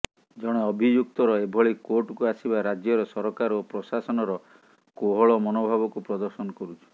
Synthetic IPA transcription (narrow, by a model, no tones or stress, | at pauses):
d͡ʒɔɽ̃eɔbʱid͡ʒuk̚t̪ɔɾɔebʱɔɭikoʈkuasibaɾad͡ʒjɔɾɔsɔɾɔkaɾopɾɔsasɔnɔɾɔ | koɦɔɭɔmɔnobʱaβɔkupɾɔd̪ɔɾsɔnɔkɔɾut͡ʃʰɔ̥